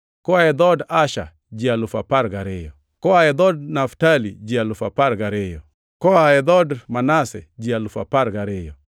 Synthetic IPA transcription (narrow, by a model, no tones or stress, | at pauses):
kɔaɛd̪ɔdaʃa̰ | d͡ʒialʊfapaɾɡaɾɪjɔ | kɔaɛd̪ɔdnaftalid͡ʒialʊfapaɾɡaɾɪjɔ | kɔaɛd̪ɔdmanasɛ̰d͡ʒialʊfapaɾɡaɾɪjɔ